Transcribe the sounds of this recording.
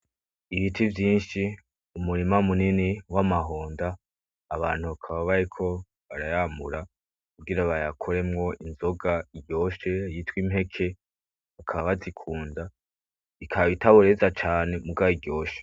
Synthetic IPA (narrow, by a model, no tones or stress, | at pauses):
iβitʰivjiːnʃi | umuɾimamuniniwamaɦo̞ːndaː | βa̰ːn̥huβakʰaβaβaɾikʰo̞ | βaɾajaːmuɾa | kuɡiɾaβajakʰo̞ɾe̞mŋo̞ʔinzo̞ɡaiɟjo̞ːʃejitwimɦe̞kʰe̞ | βakʰaβaβazikʰuːnda | ikʰaβitaβoɾe̞zat͡ʃaːne̞muɡaiɡjo̞ːʃe̥